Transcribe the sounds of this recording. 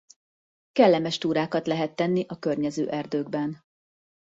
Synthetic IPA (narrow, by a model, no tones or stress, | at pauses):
kɛlːɛmɛʃt̪uːɾaːkɒt̪lɛɦɛt̪ːɛnːiʔɒkørɲɛzø̰ːʔɛrd̪øːɡ̚bɛn